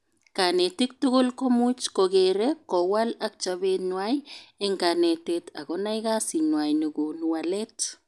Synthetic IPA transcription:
kanetik̚tʊɡʊlkɔmut͡ʃkoɡeɾekːɔwalak̚t͡ʃaβenwajɛŋkanetetʰa̰ɡɔnajɡasinwajnuɡonuwalɛt

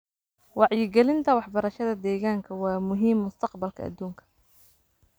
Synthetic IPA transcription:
wɑʕjɪɡɛlɪnt̪ʰɐwɑħbɐɾɐʃɐðɐd̪ɛːɣaːŋkʰɐwɑːmʊɦiːmːʊst̪ʰɐqbɐlkʰɐ̰ɐ̰d̪ːuːŋkʰɐ̥

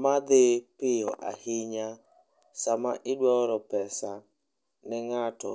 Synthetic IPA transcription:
mad̪ɪpɪɔʔa̰hɪɲa | samaʔɪdwɔɾɔpɛsa | nɪŋatɔ̰

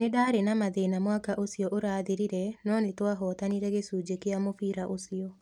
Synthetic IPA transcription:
nedaɾenamaðenamwakaʔosiɔʔoɾaðiɾiɾɛnɔnetwaɦɔt̪aniɾɛɡesud͡ʒekɪamofiɾaʔosio

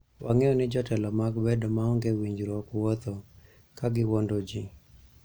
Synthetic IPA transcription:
wʔaŋɛɔnɪd͡ʒɔtɛlɔmaɡbɛdɔmaɔŋɡewiɲd͡ʒɾɔkwɔt̪ɔ | kaɡɪwɔndod͡ʒi

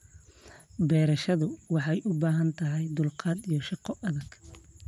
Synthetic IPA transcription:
bɛːɾɐʃɐðʊwɑħɑjʔʊbaːɦɐnt̪ʰɐɦɛjd̪ʊlqʰɑːd̪ijɔʃɑqɔʔɐðɐɡ̥

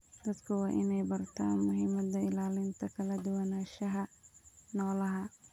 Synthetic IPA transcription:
d̪̥ɐd̪kʰɐwɑːʔɪnɛjbɐrt̪ʰaːnmʊɦɪmɐd̪ɐɪlaːlɪnt̪ʰɐkʰɐlɐd̪ʊwɐnaːʃɐɦɐnɔːlɐɦɐ

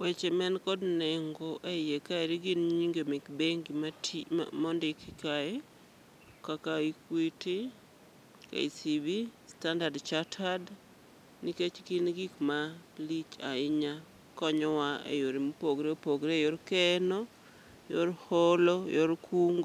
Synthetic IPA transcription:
wet͡ʃɛmɛnkɔdneŋɡoʔejekaeɾiɡinɲiŋɡemikbeŋɡimatmɔndɪkikae | kakaikwiti | ka̰isibistandardt͡ʃatʰad | niket͡ʃkinɡikmalit͡ʃaɪɲa | kɔɲɔwaḛjoɾimupoɡɾeopoɡɾejoɾkɛnɔ | joɾhɔlɔjoɾkuŋɡo

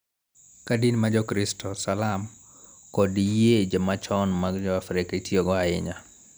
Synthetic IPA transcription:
kadinmad͡ʒɔkɾɪstʰɔsalam | kɔdijed͡ʒemat͡ʃɔnmaɡd͡ʒɔafɾɪkitjoɡɔaɪ̰ɲa

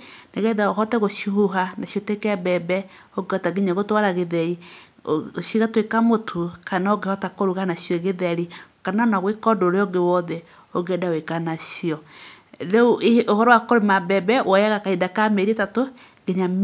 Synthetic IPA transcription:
naɣɛðaoɦɔtɛɣoʃuhuɦanaʃjɔtekɛbɛbɛ | oɡɔtaɡeɲaɣotwaɾaɣeðɛi | ʃiɣatwekamotʰokanaoɡehɔtakoɾuɣanaʃjɔɣeðɛɾikanaɔnaɣwekɔdoɾeɔɡewɔðɛ | oɡɛdawekanaʃiɔ | ɾeoʔohɔɾɔwakoɾemabɛbɛwɔjaɣakaidakameɾietato | ɡeɲa

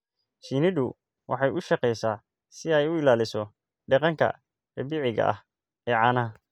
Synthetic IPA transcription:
ʃinɪðʊ | wʔɑ̰ħɑjʔʊʃɑqɛjsaː | sɪɛjʊɪlaːlɪsɔ | ɖɛqɑŋkʰɐ̰ | ɛbɪʕɪɣɐ̰ʔɐ̰h | ɛːʕɑːnɐɦɐ

